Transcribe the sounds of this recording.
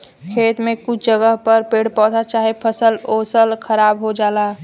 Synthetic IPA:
kʰeːt̪mẽkʊt͡ʃʰd͡ʒəɡəɦpəɾpeːɽpɔ̃ːt̪at͡ʃaːɦepʰəsəloːsəlkʰəɾaːbɦod͡ʒaːlaː

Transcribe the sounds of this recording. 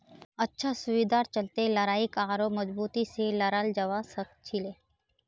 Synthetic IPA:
tətːʃʰasʊʋiːd̪aːɾt͡ʃəlt̪eləɾaːikaːɾoməd͡ʒbuːt̪iseləɾald͡ʒəʋasəkt͡ʃʰileː

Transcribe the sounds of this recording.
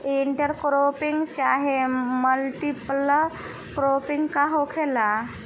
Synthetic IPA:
iɳʈəɾkɾopiŋɡt͡ʃaɦeməlʈipl | kɾopiŋɡkaɦokʰela

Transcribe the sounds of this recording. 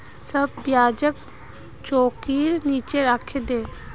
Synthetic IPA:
səb̚ʋjaːd͡ʒək̚ | t͡ʃoːkiːɾniːt͡ʃeɾaːkʰed̪eː

